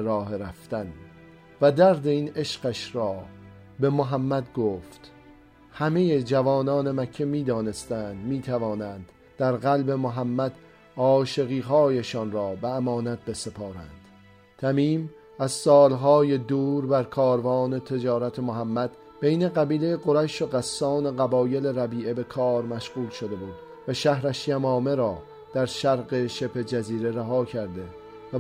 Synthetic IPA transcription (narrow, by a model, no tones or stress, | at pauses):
ɾɒːheɾæft̪æn | væd̪æɾd̪e̞iːne̞ʃɢæʃɾɒː | be̞moɦæmːæd̪ɡoːft̪ | hæmejed͡ʒævɒːnɒːnemækʰːe̞miːd̪ɒːne̞st̪ænd̪miːt̪ʰævɒːnæːnd̪̥ | d̪̥æɾɢælbe̞moɦæmːæd̪̥ | ɒːʃe̞ɣiːɦɒːjeʃɒːnɾɒːbeæmɒːnæt̪̚be̞se̞pʰɒːɾæ̰nd̪̥ | t̪ʰæmiːm | æz̥sɒːlɦɒːjed̪uːɾbæɾkʰɒːɾvɒːne̞t̪ʰe̞d͡ʒɒːɾæt̪ʰe̞moɦæmːæd̪̥ | b̥e̞jne̞ɣæbiːlejeɡo̞ɾæʃoɢæsːɒːne̞ɣæbɒːje̞le̞ɾæbiːʔe̞be̞kʰɒːɾmæʃʁuːlʃo̞d̪e̞buːd̪̥ | væʃæhɾæʃjæmɒːme̞ɾɒː | d̪̥æɾʃæɾɢe̞ʃepʰe̞d͡ʒæziːɾe̞ɾæɦɒːkʰæɾd̪e̞ | væ